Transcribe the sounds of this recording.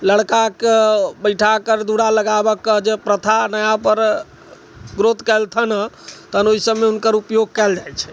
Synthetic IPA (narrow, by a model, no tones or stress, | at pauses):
ləɽkakebəjʈʰakəɾd̪uɽaləɡabəkːəd͡ʒepɾət̪ʰanəjapəɾ | ɡɾot̪kɛlt̪ʰənə | t̪ənoisəbmːeɦunkəɾupjoɡ̚kɛld͡ʒajt͡ʃʰɛ̥